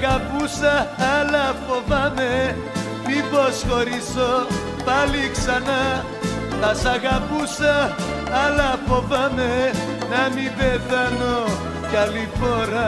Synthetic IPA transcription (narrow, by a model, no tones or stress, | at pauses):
ɡapusaalapɔbame | mibɔskɔɾisɔ | paliksana | masaɡapusa | alapɔbame | namibed̪anɔ | kalipɔɾa